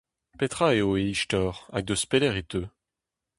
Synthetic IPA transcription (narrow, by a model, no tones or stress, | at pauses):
pet̪χaeoeiʃt̪ɔʁa̰ɡ̚d̪əspelɛʁet̪ø